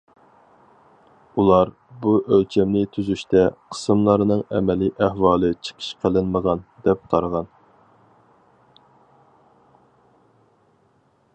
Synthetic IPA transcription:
ulˠɑɾ | buʔølt͡ʃʰɛmnɪt̪ʰyzyʃt̪ɛqʰə̥sɨmlˠɑɾnɨŋɛmɛliʔæhwɑːlˠɨt͡ʃʰə̥qʰə̥ʃqʰəlˠɪnməʁɑnd̪ɛp̚qʰɑɾʁɑn

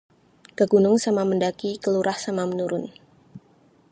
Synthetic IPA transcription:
ɡ̥aɡunʊŋsamaməndakikəluɾahsamamənuɾʊn

